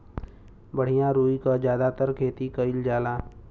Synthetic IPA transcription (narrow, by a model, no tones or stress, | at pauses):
bəɽ̤ijãɾuːikad͡ʒjaːd̪at̪əɾkʰeːt̪ikəɪld͡ʒaːlaː